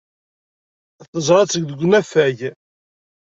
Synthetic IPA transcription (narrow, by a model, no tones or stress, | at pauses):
θəzˤɾˤɑt͡sːəɡðəɡʷnæfæʝ